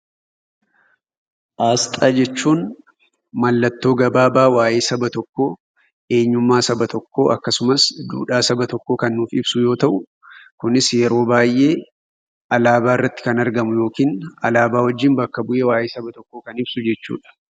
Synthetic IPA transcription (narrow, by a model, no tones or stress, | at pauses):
ʔaːst̪ʼaːd͡ʒɛt͡ʃːuːn | mɐlːɐt̪ːo̞ːɡɐbaːbaːwaːʔeːsɐbɐt̪ɔkːoː | ʔe̞ːɲːʊmːaːsɐbɐt̪ɔkːo̞ːʔɐkːɐsʊmɐsd̪ṵːᶑaːsɐbɐt̪ɔkːo̞ːkɐnːuːfɪbsʊjo̞ːt̪ɐʔʊ | kʊnɪsjɛɾo̞ːbaːjʔe̞ː | ʔɐlaːbaːɪrːɐt̪ːɪ̥kɐnɐɾɡɐmʊjo̞ːkiːnɐ̰laːbaːwɔd͡ʒːɪnbɐkːɐbʊʔe̞ːwaːjʔeːsɐbɐt̪ɔkːoːkɐnɪbsʊd͡ʒɛt͡ʃːṵːᶑɐ̥